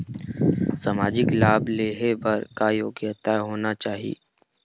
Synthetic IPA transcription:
samaːd͡ʒɪklaːbleːɦebɐɾkajoːɡjət̪aɦoːnat͡ʃaːɦḭː

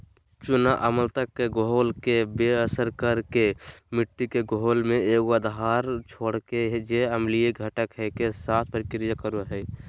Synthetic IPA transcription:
t͡ʃunaʔəməlt̪əkːeɡoɦolkebeəsəɾkəɾkemɪʈːikeɡoɦolmẽeɡəd̪ɦaɾt͡ʃʰoːɽked͡ʒeəmlijeɡʱəʈəkɦɛkesat̪ʰpəɾikɪɾijakəɾuɦɛj

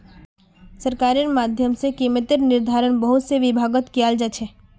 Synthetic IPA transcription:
səɾkaːɾinmaːd̪ʱjəmsekiːmət̪ɪɾnɪɾd̪ʱaːɾəɳ̃bəɦʊt̪seʋɪbʱaːɡət̪kijald͡ʒat͡ʃʰɛ

